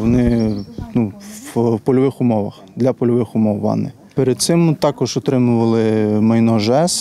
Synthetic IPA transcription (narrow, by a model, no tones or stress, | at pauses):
ɔnɪnuwpɔlʲɔʋɪxʊmɔʋɐ̰xd̪lʲɐpɔlʲɔʋɪxʊmɔwːɑ̰nɪ | peɾed̪t̪sɪmt̪ɑkɔʒɔt̪ɾɪmʊʋɐlˠɪmɐjnɔʒɛs